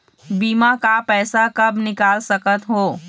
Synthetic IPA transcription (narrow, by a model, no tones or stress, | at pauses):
biːmakapɛːsakɐbnɪkaːlsəkət̪ɦoː